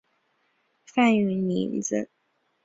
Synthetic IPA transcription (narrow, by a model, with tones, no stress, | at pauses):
fa˥˩ny˧˩ni˧˥nd͡z̩˧